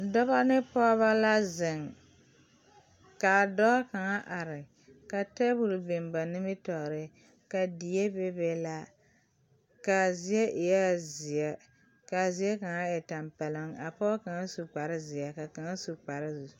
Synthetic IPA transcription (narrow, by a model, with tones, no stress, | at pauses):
dɔ˦βa˦nɪ˦pɔ˦βa˦la˦zɪ˨ŋ˨ | ka˨dɔ˦ka˨ŋa˦ʔa˨ɾɪ˨ | ka˨tɛ˦bu˦˨lbe˨mba˨nɪ˦mɪ˦tɔ˨ʔɾɪ˨ | ka˨di˨je˦be˦be˦la˦ | ka˨zi˦ɛ˦ʔɪ˨ja˦zi˨a˨ | ka˨zi˨˦a˦ka˨ŋa˦ɛ˨ta˨mpa˨lɪ˦ŋa˨pɔ˦ka˨ŋa˦su˨k͡pa˨ɾɪ˦zi˨ja˨ka˨ka˨ŋa˦su˨k͡pa˨ɾɪ˦zu˨